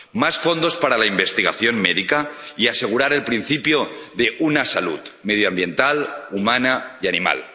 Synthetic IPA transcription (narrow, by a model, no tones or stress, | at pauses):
masfo̞nd̪ospaɾalaimbest̪iɣa̰θjo̞nmeðikaiase̞ɣ̞uɾaɾe̞lpɾinθipjoðeʔunasalṵt̪með̞joambje̞nt̪alumanaianima̰l